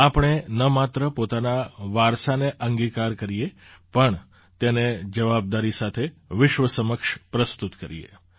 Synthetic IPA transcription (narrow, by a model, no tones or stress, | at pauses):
apɳ̃enəmat̪ɾəpot̪anaʋaɾsaneʔəŋɡikaɾkəɾije | pəɳ | t̪ened͡ʒəʋab̚d̪aɾisat̪ʰeʋɪʃʋəsəməkʃpɾəst̪ut̪kəɾḭjḛ